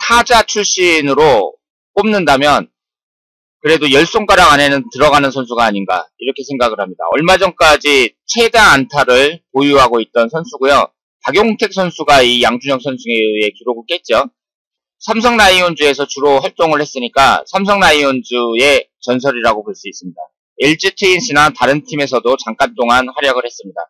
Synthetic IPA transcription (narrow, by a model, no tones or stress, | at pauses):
tʰad͡ʑat͡ɕʰuɭɕ͈inɯɾo | k͈omnɯndamjʌn | kɯɾe̞dojʌɭs͈oŋk͈aɾaɡane̞nɯntɯɾʌɣanɯnsʰʌns̬ʰuɡaːɲinɡa̰iɾʌkʰe̞sʰe̞ŋɡaɡɯɭhamɲida̰ʌɭmad͡ʑʌŋk͈ad͡ʑit͡ɕʰe̞daŋantʰaɾɯɭpojuɦaɡoit̚t͈ʌnsʰʌnsʰuɡojo̰ | paɡjoŋtʰe̞k̚s͈ʰʌnsʰuɡaijaŋd͡ʑuɲjʌk̚s͈ʰʌnsʰuŋeɯe̞kiɾoɡɯɭk͈e̞t̚t͡ɕ͈o | sʰams̬ʰʌŋnaiond͡ʑue̞sʰʌt͡ɕuɾohaɭt͈oŋɯɭhe̞s͈ɯɲik͈asʰamsʰʌŋnaiʌnd͡ʑue̞t͡ɕʌns̬ʰʌɾiɾaɡopoɭs͈uis͈ɯmɲida̰ | eɭt͡ɕ͈itʰɯinɕʰinataɾɯntʰime̞sʰʌdot͡ɕaŋk͈ant͈oŋanhaɾjʌɡɯɭhe̞s͈ɯmɲida̰